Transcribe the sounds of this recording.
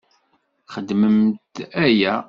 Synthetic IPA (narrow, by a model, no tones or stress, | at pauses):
χəd̪ːməmt̪æjæ